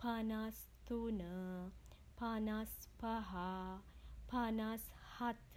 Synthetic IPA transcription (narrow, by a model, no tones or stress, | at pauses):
pʰanas | t̪unə | pʰanaspaɦa | pʰanashat̪